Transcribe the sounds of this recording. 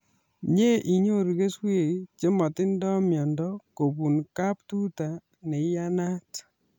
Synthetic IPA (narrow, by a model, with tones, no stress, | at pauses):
ɲe˦ʔi˨ɲo˦ɾɣe˦swe˦˨t͡ʃe˦mɔ˨tɪ˦ndɔ˦mjɔ˨ndɔ˦ko˨pu˨nka˦ptu˦ta˨ | nɛ˨˦ja˦na˦t